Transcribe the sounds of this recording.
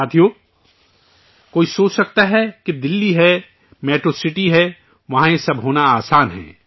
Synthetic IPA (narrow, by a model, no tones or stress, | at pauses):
aːt̪ʰijoː | koːisoːt͡ʃsɐk̚t̪aɦɛked̪ɪlːiɦɛ | mɛːʈɾoːsɪʈiɦɛ | ʋɐɦãesɐbɦoːnaaːsaːnɦɛ̰̃ː